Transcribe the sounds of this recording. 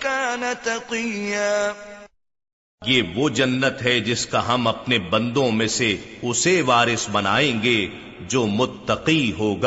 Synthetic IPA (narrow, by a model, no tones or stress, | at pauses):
kaːnɐt̪ɐqijaː | jeːʋod͡ʒɐnːət̪ɦɛd͡ʒɪskaɦɐmɐpnebɐ̃nd̪õmẽseʊseʋaːɾɪsbɐnaːẽːɡeː | d͡ʒoːmʊt̪ːɐqiɦoːɡaː